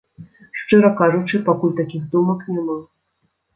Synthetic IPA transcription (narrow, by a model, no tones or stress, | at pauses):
ʂt͡ʂɨɾɐkaʐut͡ʂɨpakulʲt̪akʲixd̪umɐknʲɛma